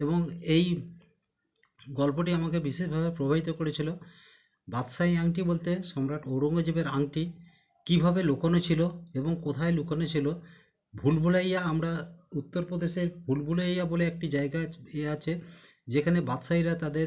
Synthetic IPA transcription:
eboŋej | ɡɔlpoʈiamakebiʃeʃbʱabepɾobʱabit̪okoɾet͡ɕʰilo | bat̪sajaŋʈibolt̪eʃɔmɾaʈoɾoŋod͡ʑibeɾaŋʈi | kibʱabelukonot͡ɕʰiloeboŋkot̪ʰaelukonot͡ɕʰilo | bʱulbʱulajaamɾaut̪ːoɾpɾod̪eʃeɾbʱulbʱulajaboleek̚ʈid͡ʑaeɡaeat͡ɕʰed͡ʑekʰanebat̪ʃajɾat̪ad̪eɾ

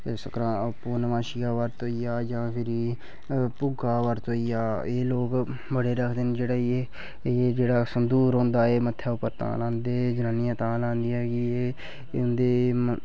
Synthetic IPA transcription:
səkɾãːpoːnəmãːʃɪjaːʋəɾt̪oːijaːd͡ʒãːpʰɪɾiː | pʊɡaːʋəɾt̪oːijaːeːloːk | bəɽeːɾəkʰd̪end͡ʒeːɽaːie | eːd͡ʒeːɽaːsənd̪uːɾɦõːnd̪aːeːmət̪ʰːjaːʊpːəɾt̪ã̰ːlãːnd̪eːd͡ʒənaːnɪjãːt̪ãːlãːnd̪ijaːɡiːeː | nd̪eː

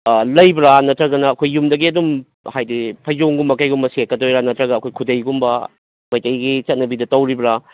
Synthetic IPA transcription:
lɐjbɾanɐtɾɐɡɐnɐːkʰojːumdɐɡiɐdum | hajdipʰɐjd͡ʒoŋɡumːɐkajɡumbɐsekːɐdojɾanɐtɾɐɡɐːkʰojkʰudɐjɡumbɐ | majtɐjɡit͡ʃɐt̚nɐbidɐtɐwɾibɾa

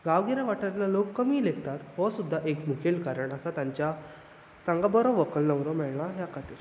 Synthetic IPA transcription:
ɡaʋɡiɾãʋaʈaɾlalokːəmiːlekt̪at̪hɔsud̪ʱːaʔekmukʰelkaɾəɳəsat̪jaɲt͡ɕja | t̪ãŋɡabəɾoʋəkəlnəʋɾɔmɛɭnaɦjakʰat̪iːɾ

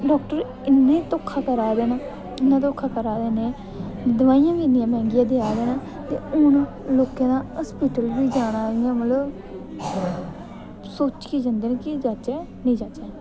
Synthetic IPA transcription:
ɖɔːkʈəɾ | ɪnːẽːt̪oːkʰːaːkəɾaːd̪eːnaː | ɪnːãːt̪oːkʰːaːkəɾaːd̪eːnẽː | d̪əʋaːijãːʋiːɪnɪjãːmɛ̃ːŋɡɪjãːd̪ɪaːd̪eːnaː | t̪ḛːʊn | loːkẽːnãːəspiːʈəlʋiːd͡ʒaːɽ̃aːɾɪjãːmət̪ləb | soːt͡ʃkiːd͡ʒãnd̪eːneːkɪd͡ʒaːt͡ʃɛːnĩːd͡ʒaːt͡ʃɛ̃ː

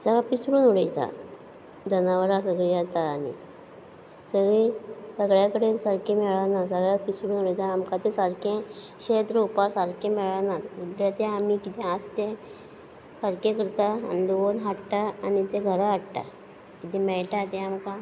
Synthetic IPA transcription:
səɡapisɾuːnuɽəjt̪a̰ | d͡zənaʋəlas̬əɡɭijat̪aːnḭ | səɡɭisəɡɭjakəɽesəɾkẽmeɭanasəɡɭapisɾuːnuɽəjt̪aːmkat̪esəɾkẽ | ɕet̪ɾopasaɾkẽmeɭanat̪ud̪at̪ẽamikit̪ɛ̃ast̪ẽ | saɾkẽkəɾt̪aa̰niloonɦaʈʈ̪aːnit̪eɡʱəɾaaʈt̪a̰ | kit̪ɛmɛɭʈat̪ẽamka

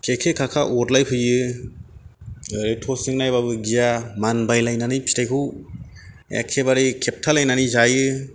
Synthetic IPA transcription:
kʰekʰekʰakʰaʔɔtlajpʰɯjɯ | ɾetʰosiŋnajbabɯɡijamanbajlajnanɯjpʰi̥tʰajkʰɯw | ḛkʰːebaɾikʰep̚tʰalajnanizajɯ

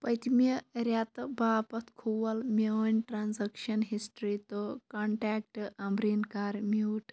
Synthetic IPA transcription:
pɐjt̪miɾʲat̪baːpɐt̪ʰkʰuʋɐlmʲɐwɐnʲʈɾaːnzɐkʃɐnɦisʈɾit̪okɐɳʈaːk̚ʈʔɐmbɾinkaːɾmiwʈ

